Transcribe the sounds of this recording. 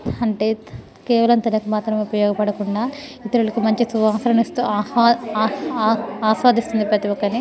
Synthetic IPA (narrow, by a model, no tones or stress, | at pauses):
ɐɳʈe̞ː | kɛːʋɐlɐnt̪ɐnɐkumaːt̪ɾɐmeupɐjɔːɡɐpɐɽɐkuɳɖaːit̪ɐɾulɐkumɐɲt͡ʃisuʋaːsɐɾɐnist̪uː | aːsʋaːd̪ist̪und̪ipɾɐt̪iwɔkːɐni